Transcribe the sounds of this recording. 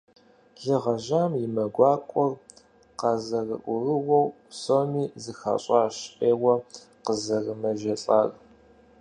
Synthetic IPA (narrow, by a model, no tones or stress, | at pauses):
ɮəʁɐʒaːmjɪmɐɡʷɑːkʷʼɔr | qɑzɐrɨ̰ʔʷʊrɨwɔwpsoːmiːzɨxa̰ɕʼɑːɕeːwɐ | qəzɐrɨmɐʒɐɬʼaːr